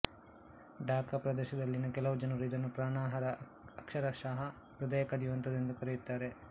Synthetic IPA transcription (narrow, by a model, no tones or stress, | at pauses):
ɖaːkɐpɾɐd̪ɛːʃɐd̪ɐlːinɐkɛlɐʋud͡ʒɐnɐɾid̪ɐnːupɾaːɳaːɦɐɾɐː | kʃɐɾɐʃaːɦɐ | ɾud̪ɐjɐkɐd̪ijuʋɐnt̪ɐd̪end̪ukɐɾejut̪ːaːɾe̞